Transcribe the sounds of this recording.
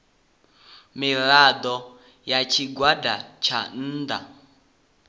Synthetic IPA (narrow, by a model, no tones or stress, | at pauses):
miɺad̪ɔ | jat͡ʃʰiɡwadat͡ʃʰa̰n̩ːd̪a̰